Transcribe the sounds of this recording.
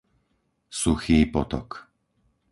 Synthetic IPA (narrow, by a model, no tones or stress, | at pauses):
suxiːpɔt̪ɔ̰k